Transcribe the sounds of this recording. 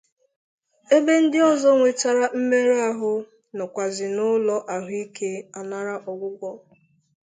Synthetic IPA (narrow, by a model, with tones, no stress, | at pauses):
e˦be˦n̩˦dɪ˦ɔ˦zɔ˦ŋʷe˨t͡ʃa˦ɾa˦m̩˦me˦ɾa˦ɦʊ˦ | nɔ˨kʷa˨zɪ˨nʊ˦lɔ˦ʔa˨ɦʊ˨˦i˦ke˦a˨na˦ɾa˦ʔɔ˨ɡʷʊ˦ɡʷɔ˦